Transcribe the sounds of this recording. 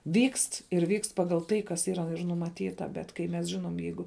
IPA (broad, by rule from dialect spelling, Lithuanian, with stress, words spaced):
ʋʲiːkst ɪr ʋʲiːkst ˈpɑːɡɐlˠ ˈtɐɪ kɐs ˈiːrɐ nʊmɐˈtʲiːtɐ ˈbʲɛt kɐɪ mʲɛs ˈʒʲɪnoːm ˈjɛɪɡʊ